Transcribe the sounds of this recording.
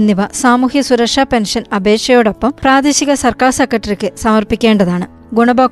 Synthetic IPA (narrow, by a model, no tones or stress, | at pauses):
nːiʋɐsaːmuːhisuɾɐkʂaːpenʂɐnɐbʱe̞ːkʂɐjoːɽɐpːɐmpraːd̪ɐɕiɣɐsɐrkaːrsekːɐʈːɐrikʲːɨsɐmɐrpikʲːe̞ːɳɖɐðaːɳɨ | ɡuɳɐbɐ